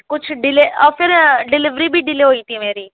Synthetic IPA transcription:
kʊt͡ʃʰɖɪleɔfɪɾɖɪlɪʋɾibʱiɖɪleɦoːĩːt̪ʰimeːɾiː

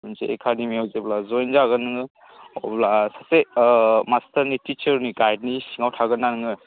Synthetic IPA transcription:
unseḛkʰademiawzeblazɔjnzaɡənɯŋɯ | ɔblasasemastʰəɾnitit͡ʃəɾniɡajd̚nisiŋawtʰaɡɯnːanɯŋɯ

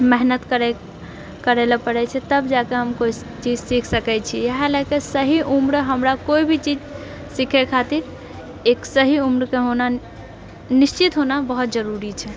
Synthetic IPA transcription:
mɛɦnət̪kəɾɛ | kəɾelepəɾɛt͡ʃʰɛt̪əbd͡ʒakeɦəmkoi | t͡ʃid͡ʒsikʰsəkɛt͡ʃʰijaɦelekesəɦiʔumɾɦəmɾakoibʱit͡ʃid͡ʒ | sikʰɛkʰat̪iɾ | eksəɦiumɾkeɦona | nist͡ʃit̪ɦonabəɦut̪d͡ʒəɾuɾit͡ʃʰɛ

